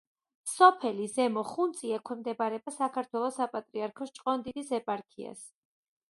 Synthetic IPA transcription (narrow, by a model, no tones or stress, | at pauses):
sɔpʰɛlizɛmɔχunt̪sʼiakʰwɛmd̪ɛbaɾɛbasakʰaɾt̪ʰwɛlˠɔsapʼat̪ʼɾiaɾkʰɔst͡ʃʼqʼɔnd̪id̪isɛpʼaɾkʰia̰s